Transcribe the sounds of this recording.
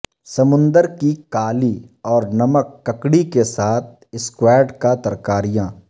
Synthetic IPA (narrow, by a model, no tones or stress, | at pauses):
sɐmʊ̃nd̪əɾkikaːliɔːɾnɐməkːɐkɽikesaːt̪̚ʰ | ɪskwɛːɾɖkat̪ɐɾkaːɾijãː